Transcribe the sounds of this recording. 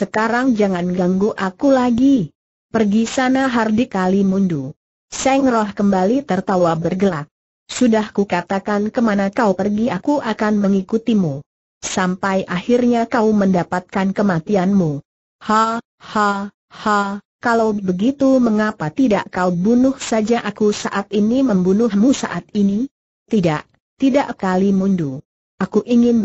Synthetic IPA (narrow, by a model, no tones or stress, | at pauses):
səkaɾaŋd͡ʒaŋanɡaŋɡuʔakulaɡi | pərɡisanaɦardikalimundu | sɛŋrɔhkəmbalit̪ərt̪awabərɡəlak̚ | sudahkukat̪akankəmanakaupərɡiakuʔakanməŋikut̪imu | sampajʔahirɲakauməndapat̪̚kankəmat̪ianmu | ha | ha | ha | kalawbəɡit̪uməŋapat̪idaʔkaubunʊhsad͡ʒaʔakusaʔat̪iniməmbunʊhmusa̰ʔat̪̚ini | t̪idaʔ | t̪idaʔkalimuɲdu | ʔakuʔiŋɪn